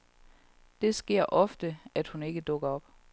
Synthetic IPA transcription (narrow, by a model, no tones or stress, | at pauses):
d̥e̝sɡ̥e̝ɐ̰ʔɒ̽fd̥əæd̥hune̝ɡ̥əd̥ɔ̽ɡ̥ɐɒ̽b̥